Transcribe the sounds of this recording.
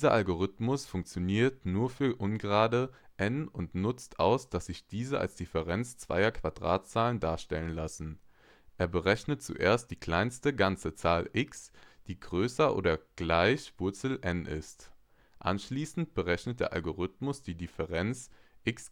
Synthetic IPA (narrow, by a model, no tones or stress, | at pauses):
d̥izɐʔalɡoʁ̞ʏtmʊsfʊŋkt͡sjoniːɐtnuːɐfyːɐʔʊnɡʁaːdəʔɛnʊntnʊt͡stʰʔaʊsd̥asz̥ɪçd̥iːzəʔa̰lsd̥ɪfəʁɛnt͡st͡sv̥a̰ɪɐkʰv̥adʁa̰ːtt͡saːləndaːɐʃtɛlənlasn̩ | ʔeːɐbəʁɛçnət̚t͡sṵʔḛːɐst̚d̥iːkʰl̥aɪnstəɡant͡sət͡saːlʔɪksd̥iːɡʁøːsɐʔo̰ːdɐɡ̥laɪçv̥ʊɐt͡sl̩ʔɛnʔɪ̰st | ʔa̰nʃliːsn̩t̚b̥əʁɛçnət̚d̥eːɐʔa̰lɡoʁ̞ʏtmʊsd̥iːdɪfəʁɛnt͡sʔɪks